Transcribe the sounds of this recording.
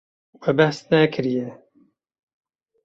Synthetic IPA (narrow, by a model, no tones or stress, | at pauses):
wɛbɛhsnɛkʰɨɾijɛ